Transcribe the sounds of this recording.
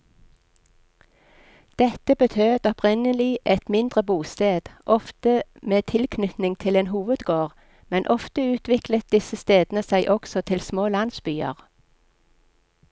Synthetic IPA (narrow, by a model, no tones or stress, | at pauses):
d̪̥ɛt̪əbət̪ʰøːd̪ɔpʰʁɪnəlɪʔɛt̪mɪnd̪ʁəbuːst̪eːd̪̥ʔɔft̪əmeːt̪ʰɪlkʰnʏt̪nɪŋt̪ʰɪleːnɦuːʋəd̪ɡoːʁ | mɛnʔɔft̪əʉːt̪ʰʋɪklət̪̚d̪ɪsəst̪eːd̪nəsæɪʔɔksɔt̪ʰɪlsmoːlɑnsbyːə̰ʁ